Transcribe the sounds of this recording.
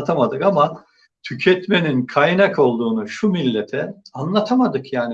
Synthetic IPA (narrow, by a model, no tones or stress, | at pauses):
t̪ʰamad̪ɯkama | t̪ʰycʰɛt̪me̞ninkʰajnako̞lˠd̪uːnuʃumilʲːet̪ʰɛanlˠat̪ʰamad̪ɯkjaːni